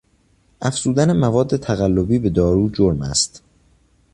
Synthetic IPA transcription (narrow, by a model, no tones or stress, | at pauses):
ʔæfz̥uːd̪ænemævɒːd̪ːe̞t̪ʰæɣælːo̞biːbe̞d̪ɒːɾuːd͡ʒoɾmæ̰st̪